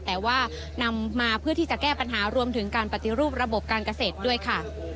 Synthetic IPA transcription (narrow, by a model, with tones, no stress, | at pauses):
t̪ɛː˨˩waː˥˩ | na˧mːaː˧pʰɯ˥˩ət̪ʰiː˥˩t͡ɕa˨˩kɛː˥˩pa˧nɦaː˩˦ɾu˧əmt̪ʰɯ˩˦ŋkaː˧npa˨˩t̪i˨˩ɾuː˥˩p̚ɾa˧bo˨˩p̚kaː˧nka˧seː˨˩t̪̚du˥˩əjkʰa˥˩